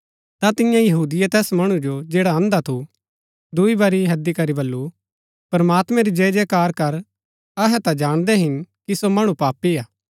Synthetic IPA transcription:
t̪at̪ɪjãjɐɦuːd̪ɪjɛt̪ɛːsmɐɽ̃ũd͡ʒod͡ʒeːɽaɐ̃nd̪at̪ʰu | d̪ʊibɐɾiɦɐd̪ikɐɾibɐlːu | pɐɾmaːt̪mɛ̃ɾid͡ʒeːd͡ʒɛkaːɾkɐɾ | ɐɦɛt̪ad͡ʒaːɽ̃d̪ɛɦɪnkisomɐɽ̃ũpaːpːiaː

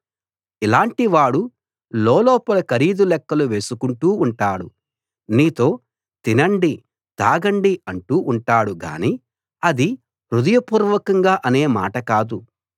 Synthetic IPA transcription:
ilaːɳʈiʋaːɽu | lɔːlɔːpɐlɐkɐɾiːd̪ulɛkːɐluʋe̞ːsukuɳʈuːɳʈaːɽṵ | niːt̪o̞ː | t̪inɐɳɖi | d̪̥aːɡɐɳɖiɐɳʈuːʔːɳʈaːɽuɡa̰ːniː | ɐd̪i | ɾud̪ɐjɐpuːɾʋɐkɐŋɡaːʔɐne̞ːma̰ːʈɐkaːd̪u

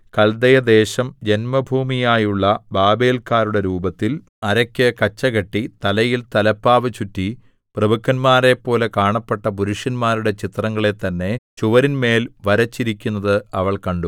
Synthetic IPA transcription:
kɐld̪ɐjɐd̪e̞ːɕɐmd͡ʑenmɐbʱuːmijaːjuɭːɐbaːbe̞ːlkaːɾuɽe̞ɾuːbɐt̪ːil | ɐɾɐkʲːɐkɐt͡ɕːɐɣɐʈːit̪ɐlɐjilt̪ɐlɐpːaːʋɨt͡ɕutːi | prɐbukʰːɐnmaːɾe̞pːo̞ːle̞kaːɳɐpːeʈːɐp̬uɾuʂjɐnmaːɾuɽe̞t͡ɕit̪rɐŋːɐɭe̞t̪ːɐnːe̞t͡ɕuʋɐɾinme̞ːlʋɐɾɐt͡ɕːiɾikʲːunːɐðɨɐʋɐɭkɐɳɖu

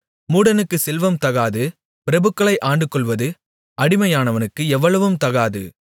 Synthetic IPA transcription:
muːɽɐnɯkːɯsɛlʋɐmt̪ɐɣaːðɯ | pɪɾɐbɯkːɐɭɐɪʔaːɳɖɯkːɔɭʋɐðɯ | ɐɽɪmɐjaːnɐʋɐnɯkːɯɛʋːɐɭɐʋɯmt̪ɐɣaːðɯ̰

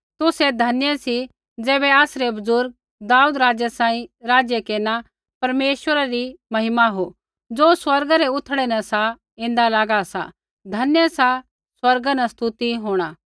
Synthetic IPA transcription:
t̪ʊsed̪ʱɐnjəsi | d͡zɛːbɛaːsɾebɐzʊɾɡ̚ | d̪aːuːd̪ɾaːd͡ʒjəsãːĩɾaːd͡ʒjəkeːna | pɐɾmeːʃwəɾaɾimɐɦɪmaɦo | d͡zoːswɐɾɡaɾeʊt̪ʰɽɛnɐsa | ɪ̃nd̪alaːɡasa̰ | d̪ʱɐnjəsa | swɐɾɡanɐst̪ʊt̪iɦoːɽ̃aː

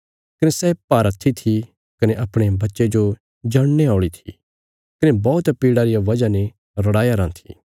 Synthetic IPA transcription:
kɐnesɛpaːɾɐt̪ʰːit̪ʰi | kɐneʔɐpɽ̃ebɐtːʃed͡ʒo | d͡ʒɐɽ̃neaːɽit̪ʰi̥̰ | kɐnebɔːt̪piːɽaɾijaʋɐd͡ʒane | ɾɐɽaːjaɾãːt̪ʰi̥̰ː

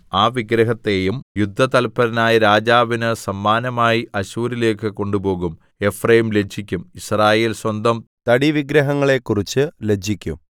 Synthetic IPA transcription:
aːʋiɡɾɐɦɐt̪ːe̞jumjud̪ʱːɐt̪ɐlpːɐɾɐnaːjɐɾaːd͡ʑaːʋinɨsɐmːaːnɐmaːjiɐɕuːɾile̞ːkːɨko̞ɳɖubo̞ːɣum | e̞frɐjimle̞d͡ʑʰʱikʲːumisraːje̞ːlswɐnd̪ɐmt̪ɐɽiʋiɡɾɐɦɐŋːɐɭe̞kːurit͡ɕːɨled͡ʑʱikʲːṵm

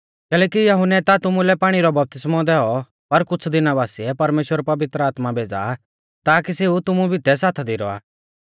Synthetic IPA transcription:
kɛːlɛːkijɐɦʊnɛt̪at̪ʊmulɛpaːɽ̃iɾɔbɐp̚t̪ɪsmɔ̃d̪ɛɔ | pɐɾkʊt͡sʰd̪ɪnabaːsiɛpɐɾmeːʃwəɾpɐʋɪt̪ɾəaːt̪mabʱeːd͡za̰ | t̪aːkiseːut̪ʊmũbʱit̪ɛsaːt̪ʰad̪iɾɔ̰a̰ː

